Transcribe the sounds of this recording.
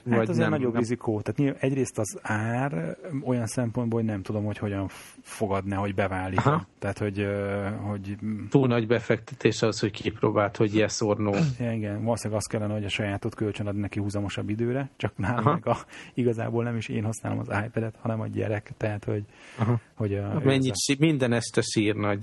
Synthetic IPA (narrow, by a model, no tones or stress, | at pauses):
at̪ɒzeːɾnɒɟo̞brizikʰoːt̪aːt̪ɲiːlvaːʔɛɟreːst̪ɒzaːro̞jɒnsɛmponboːlhoɟnɛmt̪ud̪o̞mho̞cho̞ɟɒɱfo̞ɡɒd̪nɛɦo̞ɟbɛvaːlːiːtɔt̪ɛɦːt̪ho̞ɟho̞ɟt̪uːlnɒɟbɛfɛkt̪ɛ̥t̪ʰeːʃɒhosho̞ckipɾoːbaːlt̪ho̞ɟiɛsornoːɛniɡɛnvɒloːsɛɡɒst̪kɛlːɛnɛɦo̞ɟɒʃɒjaːt̪o̞t̪kølt͡ʃønɒd̪nnɛkihuzɒmo̞ʃɒbːid̪øːɾɛt͡ʃɒknaːlomɛɡɒiɡɒza̰ːboːlnɛmiʃḛːnhɒsna̰ːlo̰mɒ̰zaːjpɛd̪ɛt̪hɒnɛmɒ̰ɟɛ̰ɾɛkt̪ɛɦat̪ho̞ɟɦho̞ɟɒmɛɲːiʃimind̪ɛnɛʃt̪ɛʃiːrnɒɟ